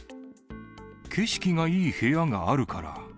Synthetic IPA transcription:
kʰe̞ɕkʲiŋaiːhe̞aŋaːɾɯ̟kʰaɾa̰

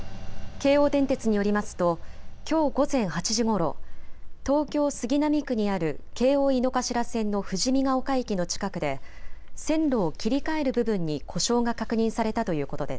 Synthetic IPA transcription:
ke̞ːo̞ːd̪ẽ̞nt̪e̞t͡sɨɲ̟ijo̞ɾʲimasɨ̥t̪o̞kʲo̞ːɡo̞zẽ̞ɰ̃hat͡ɕiʑiɡo̞ɾo̞̰t̪o̞ːkʲo̞ːsɨɡʲinamʲikɯ̟ɲ̟iaɾɯ̟ke̞ːo̞ːino̞kaɕiɾasẽ̞nːo̞ɸɯ̟ʑimʲiɡao̞kaikʲino̞t͡ɕi̥kakɯ̟d̪e̞sẽ̞nɾo̞ːkʲiɾʲikae̞ɾɯ̟bɯ̟bɯ̟̃ɲ̟ːikʰo̞ɕo̞ːŋakakɯ̟ɲ̟ĩɰ̃saɾe̞t̪at̪o̞jɯ̟ːko̞t̪o̞d̪e̞s

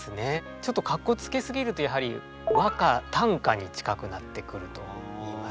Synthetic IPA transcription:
sɨne̞ | t͡ɕo̞t̪ːo̞kakːo̞t͡sɨ̥ke̞sɨɡʲiɾɯ̟t̪o̞jaɦaɾʲḭ | βakat̪ãŋkaɲ̟it͡ɕi̥kakɯ̟nat̪ːe̞kɯ̟ɾɯ̟t̪o̞̰

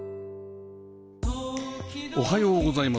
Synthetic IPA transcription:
oɦajo̞ːɡo̞zaima

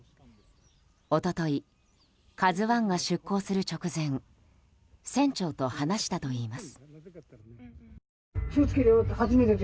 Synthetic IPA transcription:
o̞t̪o̞t̪o̞i | kazɨβãŋɡaɕɨkːo̞ːsɨɾɯ̟t͡ɕo̞kɯ̟zẽ̞ŋ | sẽ̞ɲt͡ɕo̞ːt̪o̞hanaɕi̥t̪at̪o̞iːmasɨ̥ | ɕoːt͡sɨ̥kʲeɾʲohazimet̪e

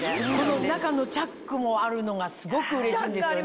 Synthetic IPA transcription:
ononakano̞t͡ɕakːɯ̟mo̞aɾɯ̟no̞ɡasɨɡo̞kɯ̟ɯ̟ɾe̞ɕĩːnd̪e̞sɨɨjo

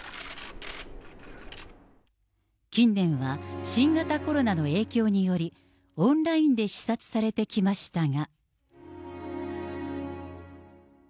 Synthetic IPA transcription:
kʲĩnːẽ̞ɰ̃βaɕĩŋɡat̪ako̞ɾo̞nano̞e̞ːkʲo̞ːɲ̟ijo̞ɾʲi | õ̞nɾaĩnd̪e̞ɕi̥sat͡sɨ̥saɾe̞t̪e̞kʲimaɕi̥t̪aɡa

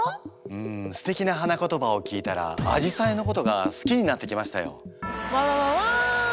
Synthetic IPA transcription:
ɯ̟̃ɴsɨ̥t̪e̞kʲinaɦanako̞t̪o̞bao̞kʲiːt̪aɾa̰a̰ʑisaeno̞ko̞t̪o̞ɡa̰sɨ̥kʲiɲ̟inat̪ːe̞kʲimaɕi̥t̪ajo̞̰βaaa

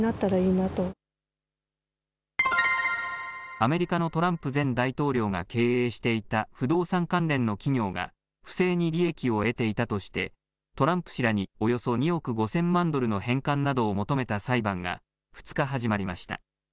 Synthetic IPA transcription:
nat̪ːaɾaiːnat̪o | ame̞ɾʲikano̞t̪o̞ɾãmpɯ̟zẽ̞nd̪ait̪o̞ːɾʲo̞ːɡa̰ke̞ːeːɕi̥t̪e̞it̪aɸɯ̟d̪o̞ːsãŋkãnɾẽ̞nːo̞kʲiɲʲo̞ːɡa̰ | ɸɯ̟̥se̞ːɲ̟iɾʲie̞kʲio̞e̞t̪e̞it̪at̪o̞ɕi̥t̪e̞̰ | t̪o̞ɾãmpɯ̟̥ɕiɾaɲ̟io̞jo̞so̞ɲ̟io̞kɯ̟ɡo̞sẽ̞mːãnd̪o̞ɾɯ̟no̞ɦẽ̞ŋkãnːad̪o̞ːmo̞t̪o̞me̞t̪asaibãŋɡa̰ | ɸɯ̟̥t͡sɨ̥kaɦaʑimaɾʲimaɕi̥t̪a̰

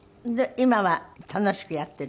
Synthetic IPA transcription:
d̪eimaβat̪ʰano̞ɕi̥kɯ̟jat̪ːe̞

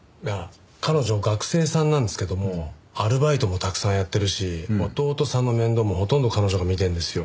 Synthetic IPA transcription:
ja | kano̞ʑo̞ɡakɯ̟̥se̞ːsãnːãnd̪e̞sɨ̥ke̞d̪omo̞ | aɾɯ̟bait̪o̞mot̪akɯ̟̥sãɰ̃jat̪ːe̞ɾɯ̟ɕiot̪o̞ːt̪o̞sãnːo̞mẽ̞nd̪o̞ːmo̞ho̞t̪õ̞nd̪o̞kanoʑo̞ɡamʲit̪ẽnd̪e̞sɨjo̞

